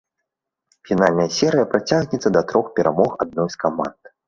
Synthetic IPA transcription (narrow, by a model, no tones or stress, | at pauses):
fʲinalʲnɐjɐsʲɛɾɨjɐpɾat͡sʲaɣnʲɛt̪sːɐd̪ɐt̪ɾɔxpʲɛɾamɔxad̪̚nɔjskama̰nd̪̥